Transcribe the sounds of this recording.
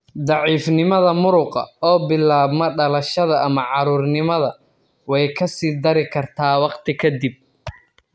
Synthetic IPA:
d̪ɑʕiːfnɪmɐðɐmʊɾʊqɐ̰ɔːbɪlːaːβmɐɖɐlɐʃɐðɐʔɐmɐʕɑɾuːrnɪmɐðɐ | wɛjkʰɐsiːd̪ɐɾɪkʰɐrt̪ʰaːwɑqt̪ʰɪkʰɐd̪ɪb̚

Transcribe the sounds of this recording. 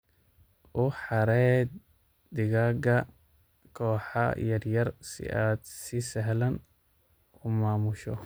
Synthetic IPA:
ʔʊħɑɾɛj̪ | d̪ɪɣaːɡɐ | kʰɔːħɑ̰jɐrjɐrsɪ̰ʔaːd̪sɪsɛɦlɐn | ʊmaːmʊʃɔ

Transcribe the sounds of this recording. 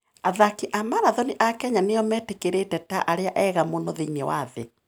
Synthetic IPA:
aðakiʔamaɾaðɔniʔakɛɲaneɔmɛtekeɾetɛtaʔaɾeaʔɛɣamonoðeɲewaðḛ

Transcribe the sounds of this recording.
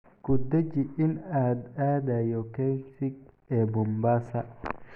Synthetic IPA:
kud̪ɛd͡ʒiɪnad̪adajɔkɛnsiɡ̚ | ɛbɔmbaːsa

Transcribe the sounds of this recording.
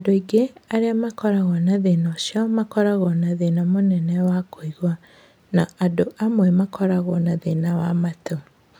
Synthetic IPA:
adoiɡeaɾeamakɔɾaɣɔnaðenɔʃamakɔɾaɣɔnaðenamonɛnɛwakoiɣwa | naadoʔamwɛmakʰɔɾaɣɔnaðenawamato

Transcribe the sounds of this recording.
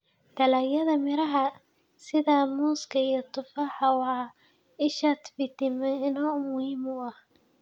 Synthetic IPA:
d̪ɐlaːjɐðɐmɪɾɐɦɐ | sɪðamuːskʰɐijɔt̪ʰʊfaːħɑwɑː | ɪʃaːt̪bɪt̪ɪmɛɪnɔːʊmʊhiːmʊɐh

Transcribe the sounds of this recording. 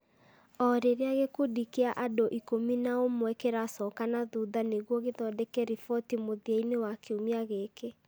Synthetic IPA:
ɔɾeɾeaɣekodikeaʔadoʔikominaomwɛkeɾasɔkanaðuðaneɣwɔɣeðɔdɛkɛɾifɔtimoðiainewakeumiaɣeke

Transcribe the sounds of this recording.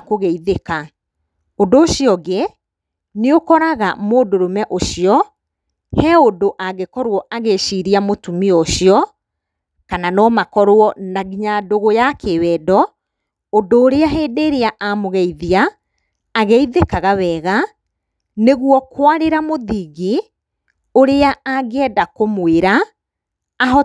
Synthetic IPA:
koɣeiðeka | ondoːʃiɔɡe | neokɔɾaɣamoːdoɾomɛʔoʃiɔ | hɛodoʔaɣekɔɾwɔʔaɣeʃiɾiamotumiɔɕiɔ | kananɔmakɔɾoɔnaɣiɲadoɣojakewɛːdɔ | odoːɾeaɦeːdeːɾeaʔamoɣɛiðiaː | ɣeiðekaɣawɛːɣa | neɣuwɔkwaɾeɾamoðiɣi | oɾeaaɡeɛdakomweɾaː | ɦɔ

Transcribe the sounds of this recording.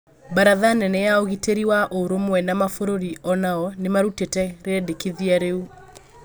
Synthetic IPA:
baɾaðanɛnɛjaoɣiteɾiwaʔoɾomwɛnamafoɾoɾiɔnaɔnemaɾutetɛɾeɛdekiðiaɾeu

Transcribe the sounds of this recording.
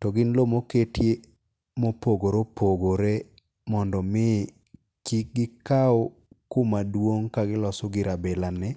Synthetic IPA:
tɔɡɪnlomoketje | mopoɡoɾopʰoɡoɾe | mɔndɔmɪ | t͡ʃiɡɪkao | kumadwoŋkaɡɪlɔsɔɡɪɾabɛlanɪ

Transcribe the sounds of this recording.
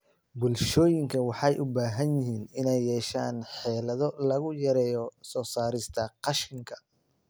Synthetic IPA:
bʊlʃɔːjɪŋkʰɐwɑħɑjʔʊbaːɦɐnjɪɦiːnɪnɛjːɛːʃaːnħɛːlɐðɔlɐɣʊjɐɾɛːjɔsɔːsaːɾɪst̪ʰɐqɑʃɪŋkʰɐ̥

